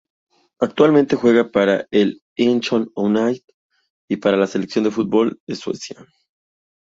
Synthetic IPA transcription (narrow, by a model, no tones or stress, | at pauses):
ak̚t̪walmẽnt̪e̞xwe̞ɣapaɾael | int͡ʃononajt̪ | ipaɾalase̞leksjo̞nd̪efut̪̚bo̞leswḛsja